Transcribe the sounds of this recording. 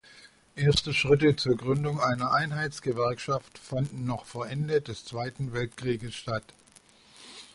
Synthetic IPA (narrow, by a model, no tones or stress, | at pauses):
ʔeːɐstəʃʁ̥ɪt̬ət͡suːɐɡʁʏndʊŋʔaɪnɐʔaɪnɦaɪt͡sɡ̥əvɛɐkʃaftfandn̩nɔχfoːɐʔɛndədɛst͡sv̥aɪtn̩vɛltkʁ̥iːɡəsʃtat